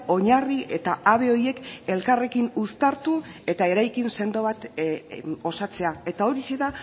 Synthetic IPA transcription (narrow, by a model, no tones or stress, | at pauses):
o̞ɲarie̞̰t̪aaβ̞e̞o̞je̞ke̞lkare̞kinust̪aɾt̪ue̞t̪ae̞ɾajkinse̞nd̪o̞βat̪ | o̞sat͡se̞ae̞t̪ao̞ɾiseða